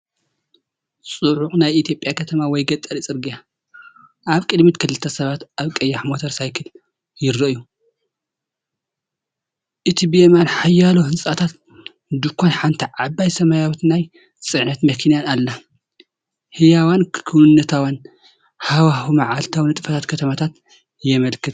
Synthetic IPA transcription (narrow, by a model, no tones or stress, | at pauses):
sʼuʕuxʼnajit̪ʰjo̞pʼjakʰɐt̪ʰɐmawɔjɡɐt̪ʼɐɾit͡sʼɨɾɡɨja | ʔaβkʼɨd̪mit̪kʰɨlɨt̪ʰːɐsɐβat̪ʔaβkʼɐjːaħmot̪ʰɐɾsajkʰɨl | jɪɾɐʔju | ʔɨt̪ʰibiemanħajːalohɨnsʼat̪ʰat̪ | d̪ɨkʰʷːonħant̪ʰiʕabːajsɐmajawt̪naj | sʼɨʕnɐt̪mɐkʰinjanalːa | hɨjawankʰɨwnːɐt̪ʰawan | hawahumɐʕalt̪ʰawnɨt̪ʼɨfɐt̪ʰat̪kʰɐt̪ʰɐmat̪ʰat̪ | jɛmɐlkʰɨt̪